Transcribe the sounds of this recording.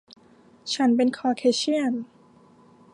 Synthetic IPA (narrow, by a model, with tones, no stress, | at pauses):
t͡ɕʰa˦˥npe˧nkʰɔː˧kʰeː˧˥ɕʰi˥˩ən